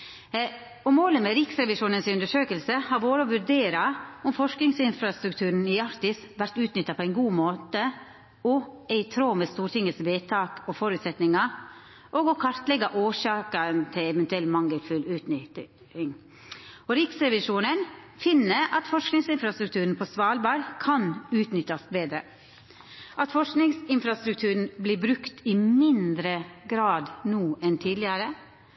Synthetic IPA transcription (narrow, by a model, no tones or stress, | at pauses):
ɔmoːləmeːɾɪksɾɛʋɪʂuːnənsʉnd̪əʂøːkəlsəhɑːɾʋoːɾəɔʋʉɾdeːɾɑɔmfɔʂknɪŋsɪnfɾɑst̪ɾʉkt̪ʰʉːɾn̩ɪɑɾt̪ɪs | ʋæɾt̪ʉːt̪nʏt̪ːɑpʰɔæɪnɡuːmoːt̪ə | ɔɛɪt̪ʰɾoːmeːst̪uːɾʈ̪ɪŋːəsʋeːt̪ʰɑːkɔfɔɾʉːt̪sɛt̪nɪŋɑ | ʔoːɡɔkʰɑɾt̪lɛɡɑʔoːʂɑːkəɾnt̪ʰɪlɛʋɛnt̪ʉɛlmɑŋːəlfʉlʉːt̪nʏ | ɪŋ | ɔɾɪksɾɛʋɪʂuːnən | fɪnːəɾʔɑt̪fɔʂknɪŋsɪnfɾɑst̪ɾʉk̚t̪ʰʉːɾn̩pʰɔsʋɑːlbɑɾkʰɑnʉːt̪nʏt̪ːɑsbeːd̪ɾə | ʔɑt̪fɔʂknɪŋsɪnfɾɑst̪ɾʉk̚t̪ʰʉːɾn̩bliːbɾʉkt̪ʰɪmɪnd̪ɾəɡɾɑːd̪nuːʔɛnt̪ʰiːd̪lɪɑɾə